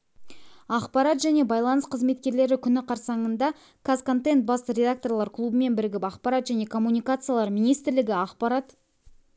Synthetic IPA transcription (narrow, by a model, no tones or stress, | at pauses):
ɑqpɑɾɑt̪ʒæne̞bɑjlˠɑnəsqʰəzme̞t̪kʲe̞ɾle̞ɾɪkʲʰʏnɪqʰɑɾsɑɴənd̪ɑ | kʰazko̞nt̪ent̪̚bɑst̪əɾʲe̞d̪ak̚t̪o̞rlˠɑɾkʰlˠubəme̞nbɪɾɪɡʲɪpɑqpɑɾɑt̪ʒæne̞kʰo̞mːunijkat̪sɨjalˠɑɾmijnijst̪ɪɾlɪɡʲɪɑqpɑɾat̪